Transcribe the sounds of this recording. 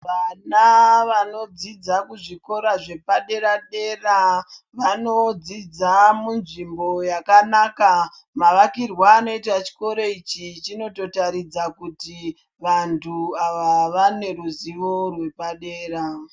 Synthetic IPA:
ʋanaʋano̞d͡zid͡zakuʐiko̞ɾaʐe̞paɗe̞ɾaɗe̞ra | ʋano̞d͡zid͡zamunʐimbo̞jakanaka | maʋakirwaːno̞it̬at͡ʃi̥ko̞ɾeit͡ʃit͡ʃino̞to̞taɾid͡zakuti | ʋantʰuaʋaʋane̞ruziʋo̞rwe̞paɗeːra

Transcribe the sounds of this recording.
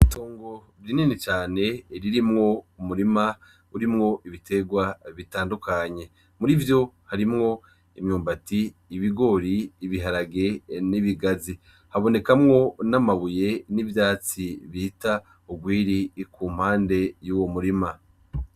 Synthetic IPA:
iitoːŋɡo̞ | βininit͡ʃaːne̞ɾiɾimŋo̞umuɾima | uɾimŋo̞ʔiβitʰe̞ɡwaβitaːndukʰaɲe̞ | muɾivjo̞haɾimŋo̞ | imɲuːmbatiːβiɡo̞ɾiːβiɦaɾaɡe̞niβiɡazi | haβo̞ne̞kamŋo̞namaβuje̞nivjaːt͡siβihita | uɡwiːɾikʰuːm̥haːnde̞juːwo̞muɾima

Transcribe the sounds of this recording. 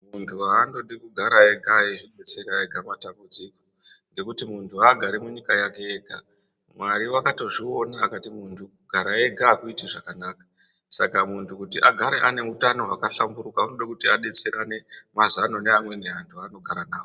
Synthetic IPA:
muntʰuɦando̞ɗikuɡʱaɾaeɡʱaiʐiɓe̞t͡seɾaeɡʱamatambud͡ziko̞̥ | ŋɡe̞kutimuntʰuaɡʱaɾemuɲikajakeeɡʱa̰ | mwaɾiwakato̞ʐio̞naːkatimuntʰukuɡ̥ʱaɾaeɡʱakuitiʐakanaːkḁ | sa̰kamuntʰukutiʔaɡʱaɾe̞ʔane̞utano̞ɦakaɬambuɾukaunoɗakutiaɗe̞t͡se̞ɾane̞mazanoneamwe̞neɦantʰuano̞ɡʱaɾanaːwo

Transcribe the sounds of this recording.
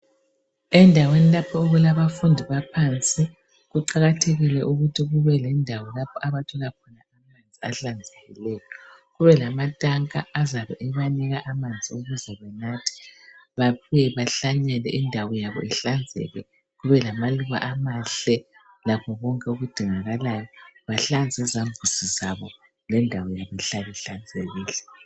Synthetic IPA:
ɛndʱawenilapʰɔuɣulaβafundʱiβapʰant͡sʼi | ɣuǃaɣatʰeɣilɛʔuɣutʰiɣuβɛlɛndʱawɔlapʰɔʔaβatʰɔlakʰɔnaamand͡zʱiaɬand͡zʱeɣilɛːjɔ | ɣuβɛlamatʼaŋkʼaːzaβɛʔɛβanɛɣaʔamand͡zʱioɣuzɛβɛnatʰi̥βapʰuɛβaɬaɲɛlɛ̰ʔindʱawɔjaβɔ̰iɬand͡zʱɛ̰lwɛ | ɣuβɛlamaluɣa̰ʔamaɬɛ | lapʰɔβɔŋkʼɛuɣud̥ʱiŋaɣalajɔβaɬand͡zʱɛzaɱvʱusizaβɔ | lɛndʱawɔjaβɔɛɬaβiɬand͡zʱeɣiːlɛ

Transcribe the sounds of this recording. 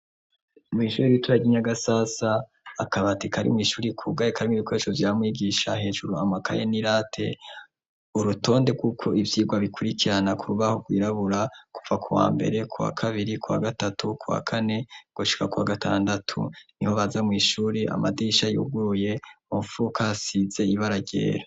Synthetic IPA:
mŋiːʃuːɾiɾituɾaɟiɲaɡasasaː | kaβatikʰaɾḭmŋiːʃuːɾikʰuɡaekʰaɾimiβiko̞eʃovjiamŋwiːɡiʃaɦe̞ːʒuɾuamakʰa̰jeniɾaːtʰe̞̰ | uɾuto̞ːnde̞ɡukʰo̞ʔivjiːɡwaβikuɾikiɾanakuɾuβaho̞ɡwiːɾaβuɾaku̥vakʰuwa̰ːmbe̞̰ɾe̞kʰuwa̰kʰaβiɾikuwa̰ɡatatʰukʰuwa̰kʰane̞ɡ̥oʃi̥kakuwaɡatʰa̰ːndatʰṵniho̞βazamŋiːʃuːɾiʔa̰madiʃajṵɡuuje̞oɱfukʰasize̞iβaɾaɟḛːɾa

